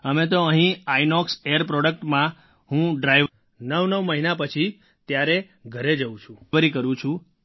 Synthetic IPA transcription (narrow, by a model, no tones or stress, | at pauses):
əmet̪oəɦĩajnɔksejəɾpɾɔɽək̚ʈmã | ɦũɖɾajʋ | nəʋnəʋməɦinapət͡ʃʰi | t̪jaɾe | ɡʱəɾed͡ʒəũt͡ʃʰũʋəɾikəɾũt͡ʃʰũ